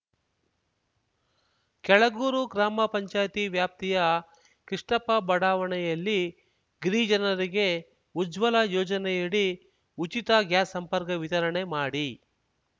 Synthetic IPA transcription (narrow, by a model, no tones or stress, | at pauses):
kɛɭɐɡuːɾuɡɾaːmɐpɐɲt͡ʃaːjt̪iʋjaːp̚t̪ijɐ | kɾiʂɳɐpɐbɐɽaːʋɐɳɛjɐlːi | ɡɾiːd͡ʒɐnɐɾiɡe̞ | ud͡ʒʋɐlɐjɔːd͡ʒɐnɛjiɽi | ut͡ʃit̪ɐɡjaːsɐmpɐɾkɐʋit̪ɐɾɐɳemaːɽi